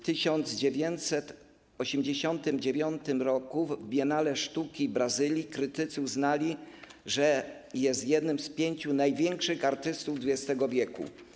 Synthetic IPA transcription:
t̪ɘɕɔnd̪zd͡ʑevʲjɛnt̪sɛt̪ | ɔɕemd͡ʑeɕɔnt̪ɘmd͡ʑevʲjɔnt̪ɘmɾɔkuvbʲjɛnalɛʂt̪ukʲibɾazɘlʲjikɾɘt̪ɘt̪sɨuznalʲiʐɛ | jɛst̪jɛd̪nɘmspʲjeɲt͡ɕunajvʲjɛŋkʂɘxaɾt̪ɘst̪uvd̪vud͡ʑɛst̪ɛɡɔvʲjɛkṵ

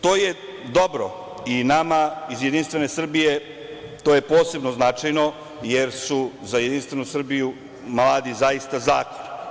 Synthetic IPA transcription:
t̪o̞ːje | d̪o̞bɾo̰ | inamaizjed̪inst̪vʋe̞ne̞sr̩bije̞ | t̪oːje̞po̞ːse̞bnoznat͡ʃajno̞ | jeɾsuzajed̪inst̪ʋe̞nusr̩biju | mlˠaːd̪izajist̪azaːkoni

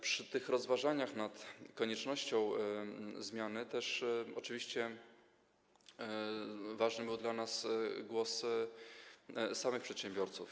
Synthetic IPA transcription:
pʂɘt̪ɘxɾɔzvaʐaɲaxnat̪kɔɲɛt͡ʂnɔɕt͡ɕɔ̃w̃ | zmʲjanɘt̪ɛʂɔt͡ʂɘvʲiɕt͡ɕɛ | vaʐnɘbɘwd̪lanasɡwɔs | samɘxpʂɛt̪ɕɛmbʲjɔɾt̪suf

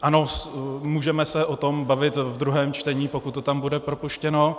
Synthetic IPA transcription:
ʔano̞smuːʒɛmɛsɛʔot̪o̞mbavɪt̪vd̪ɾuɦɛːmt͡ʃt̪ɛɲiːpo̞kut̪ːot̪ambudɛpɾo̞puʃcɛno̞

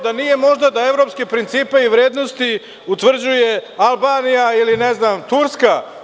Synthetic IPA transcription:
d̪anije̞mo̞ʒd̪ad̪ae̞vɾo̞ːpskipɾint̪siːpeiʋɾe̞ːd̪no̞st̪i | ut̪ʋr̩d͡ʑuje̞alˠbaːnijailineznaːmt̪uɾska

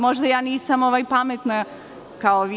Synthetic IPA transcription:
moʒd̪ajaːniːsamoʋajpamet̪na | kaoʋ

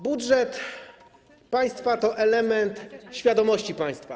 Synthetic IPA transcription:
budʐɛt̪ | paj̃st̪fat̪ɔʔɛlɛmɛnt̪ɕfʲjad̪ɔmɔɕt͡ɕipaj̃st̪fa

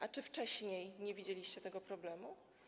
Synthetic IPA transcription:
ʔat͡ʂɘft͡ʂɛɕɲejɲevʲid͡ʑelʲiɕt͡ɕɛt̪ɛɡɔpɾɔblɛmu

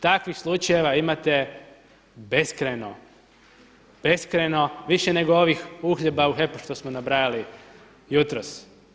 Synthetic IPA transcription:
t̪akʋixslˠut͡ʃaje̞ʋaimat̪e̞ | be̞skɾeno | b̥e̞skɾeno̞ʋiʃene̞ɡoo̞ʋixuːxʎebauɦepuʃt̪o̞smonabɾajali | jut̪ɾos

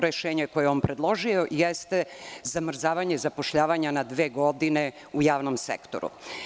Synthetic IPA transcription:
ɾeʃeːɲeko̞jeoːnpɾed̪lˠo̞ʒio̞jest̪ezamr̩zaːʋaɲe̞zapoʃʎaːʋaɲanad̪ʋeːɡo̞d̪ine | ujaːʋnomsḛkt̪o̰ɾṵ

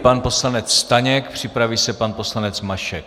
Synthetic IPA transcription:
panpo̞slanɛt͡sst̪aɲɛkpr̝̥ɪpɾaviːsɛpanpo̞slanɛt͡smaʃɛk̚

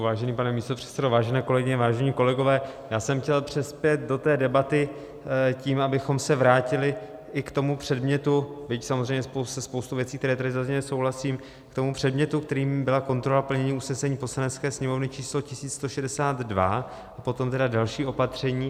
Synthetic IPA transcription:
vaːʒɛniːpanɛmiːst̪o̞pr̥ɛ̥t̪sɛdovaːʒɛnɛːko̞lɛɡɪɲɛvaːʒɛɲiːko̞lɛɡo̞vɛːjaːsɛmxcɛlpr̥ɪspjɛt̪̚do̞t̪ɛːdɛbat̪ɪ | ciːmʔabɪxo̞msɛvɾaːcɪlɪʔɪkt̪o̞mupr̝̥ɛdmɲɛt̪ubɪcsamozrɛjɲɛsposɛspo̞wst̪uvjɛt͡siːkt̪ɛɾɛːt̪adɪzazɲɛlɛso̞wɦlasiːm | kt̪o̞mupr̥ɛdmɲɛt̪ukt̪ɛɾiːmbɪlako̞nt̪ɾo̞lapl̩ɲɛɲiːusnɛsɛɲiːpo̞slanɛt͡skɛːsɲɛmo̞vnɪt͡ʃiːslo̞cɪsiːt͡sst̪oʃɛdɛsaːd̪dva | ʔapo̞t̪o̞mt̪ɛdadalʃiːʔo̞pat̪r̝̥ɛɲiː

